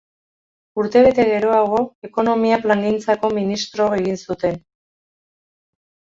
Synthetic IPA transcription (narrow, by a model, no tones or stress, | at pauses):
uɾt̪e̞β̞e̞t̪e̞ɣe̞ɾo̞aɣo̞e̞ko̞no̞miaplaŋɡint͡sako̞minist̪ɾo̞eɣ̞insut̪e̞n